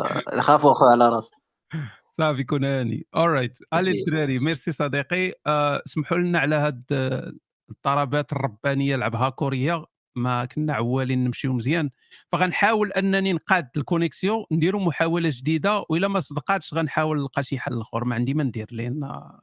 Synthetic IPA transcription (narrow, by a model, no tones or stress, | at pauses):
jxæfuʔxuʕalæɾˤɑs | sˤɑfjkunænḭʔolɾˤːɑjt̪ʔælid̪ɾæɾimiɾsisˤɑd̪iqismħulənːaʕlæhæd̪ | t̪ˤːɑɾˤɑbæt̪ərˤːɑbːænəjːalʕəbɦækʊɾəjːa | mækənːæʕawːælinːəmʃiuməzjæn | fæɣænħawəlʔænːæninqɑd̪lkʊnəksjõnd̪iɾumʊħawælæʒd̪id̪awʔəlːæmæsˤd̪qɑt̪ʃɣænħawəlnqɑʃiħaləlxo̰ɾˤmaʕənd̪imænd̪iɾlin